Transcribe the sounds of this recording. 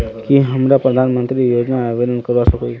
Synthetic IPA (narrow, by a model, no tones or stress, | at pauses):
kiɦəmɾapɾəd̪ʱanmənt̪ɾijod͡ʒnaːʋed̪ənkəɾʋasəko